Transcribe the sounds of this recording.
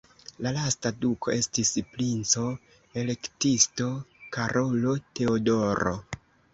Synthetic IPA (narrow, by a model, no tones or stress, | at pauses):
lalastadukʰo̞e̞stispɾint͡so̞ | e̞le̞ktisto̞kaɾʔo̞lo̞te̞odoɾo̞̰